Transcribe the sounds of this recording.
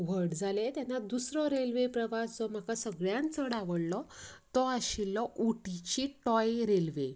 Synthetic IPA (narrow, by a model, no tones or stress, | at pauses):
ʋ̤əɽd͡zʱalet̪janːad̪usɾɔɾelʋepɾəʋasd͡zɔm̤akasəɡɭjãnt͡səɽaʋəɽlɔt̪ɔaɕilːɔʔuʈit͡ɕiʈɔjɾelʋe